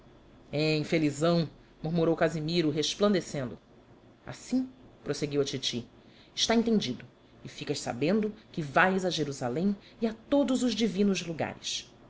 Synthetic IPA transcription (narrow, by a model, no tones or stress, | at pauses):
ɛĩfelizɐ̃w̃ | muɾmuɾowkazimiɾʊɦeʃplɐ̃nd̪esẽnd̪ʊ | a̰sĩpɾoseɡiwɐt͡ʃit͡ʃi | ɪʃt̪aẽnt̪ẽd͡ʒid̪ʊ | ɪfikɐʃsa̰bẽnd̪ʊkɪvajzaʒeɾuzalẽj̃ | iat̪od̪ʊzʊʒd͡ʒivĩnʊzluɡa̰ɾɪ̰ʃ